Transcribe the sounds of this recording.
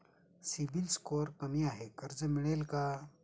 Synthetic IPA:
sibilskoːɾkɐmijaɦɛkɐɾd͡ʒɐmɪɽeːlka

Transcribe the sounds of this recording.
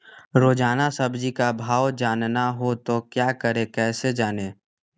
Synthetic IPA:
ɾoːd͡ʒaːnasəbd͡ʒikabʱaːwd͡ʒaːnnaɦot̪okjaːkəɾẽkɛːsed͡ʒaːneː

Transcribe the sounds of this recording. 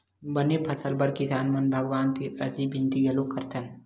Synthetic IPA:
bənepʰɐsəlbɐɾkisaːnmɐnbʱɐɡʋaːnt̪iɾɐ̰ɾd͡ʒibĩnt̪iɡɐlokɐɾt̪ʰən

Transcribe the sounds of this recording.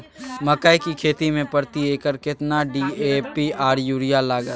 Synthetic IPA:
mɐkaikikʰeːt̪imẽpɐɾt̪ieːkəɾkɪt̪naɖiːepiaːɾjuːɾijalaːɡə

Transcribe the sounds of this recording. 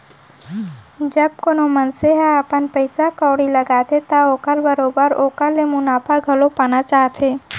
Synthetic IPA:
d͡ʒəb̚konomənseɦaəpənpəɪsakɔːɽiləɡaːt̪et̪aoːkəlbəɾoːbəɾoːkəlemʊnaːpʰaɡʱɐlopaːnat͡ʃaːɦt̪ʰeː

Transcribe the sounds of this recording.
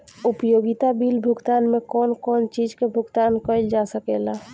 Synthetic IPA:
upjoɡit̪abilbʱuɡt̪anmekɔnkɔnt͡ʃid͡ʒkebʱʊɡt̪ankəld͡ʒasəkela

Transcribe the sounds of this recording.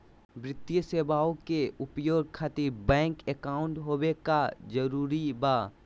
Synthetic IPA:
bɾɪt̪jəseːbaːõkeʊpjoːɡ̚kʰaːt̪ɪɾbɛ̃ːŋkekaːʊ̃ɳʈɦoːwekad͡ʒəɾuːɾibaː

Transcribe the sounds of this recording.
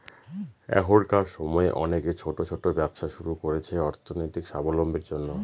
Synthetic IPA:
ɛ̰ɦɦoɾkaɾʃɔmɔeʔɔneket͡ɕʰoʈot͡ɕʰoʈobɛbʃaʃuɾukoɾet͡ɕʰeɔɾt̪ʰonojt̪ikʃabolombeɾd͡ʑonːo

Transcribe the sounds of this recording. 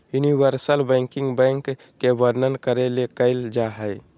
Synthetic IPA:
juniwəɾsəlbɛ̃ŋkɪ̃ŋɡbɛ̃ːŋkː | ebəɾnənkəɾelekəɪld͡ʒaɦəj

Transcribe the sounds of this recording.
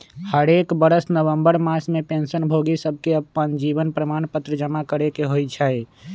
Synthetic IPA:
həɾekbəɾəsnəʋəmbəɾmasmepẽnsənbʱoɡisəb̚ʱkeəpːənd͡ʒibənpɾəmanpət̪ɾəd͡ʒəmakəɾekeɦojt͡ʃʰəj

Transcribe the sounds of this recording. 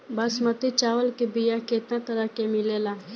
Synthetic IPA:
bɐsmɐt̪it͡ʃaːwəlkebijaket̪nãt̪əɾakemɪlelaː

